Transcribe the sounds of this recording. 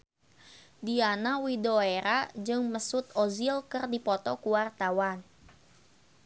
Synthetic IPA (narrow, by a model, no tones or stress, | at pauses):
dianawidoeɾad͡ʒɨŋməsʊt̪ɔzilkɨrdipɔt̪ɔkuwart̪awan